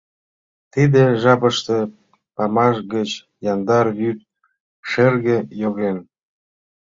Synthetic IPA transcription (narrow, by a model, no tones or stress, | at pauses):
t̪id̪ĕʒɑpəʃt̪ə̆ | pɑmɑʃɣət͡ɕ | jɑnd̪ɑrjyt̪̚ | ʃerɣĕjoɣen